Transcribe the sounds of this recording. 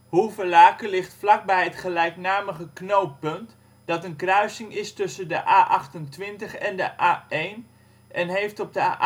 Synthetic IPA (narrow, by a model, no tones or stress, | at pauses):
huvəlaːkəlɪχtflɑk̚bɛjɦətχəlɛjknaːməχəknowt̚pɵnt | d̥ɑtənkrœɥsɪŋɪstɵsəndəʔaːʔɑχtəntʋɪntəχɛndəʔaːejn | ʔɛnɦejftɔb̚dəa